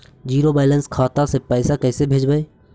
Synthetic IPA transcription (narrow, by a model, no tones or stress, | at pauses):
d͡ʒiːɾobaːɪlənskʰaːt̪asepɛːsakɛːsebʱeːd͡ʒbae